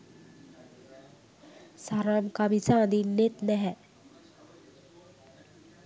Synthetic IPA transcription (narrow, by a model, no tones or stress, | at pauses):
saɾamkamisaːd̪inːet̪nɛɦɛ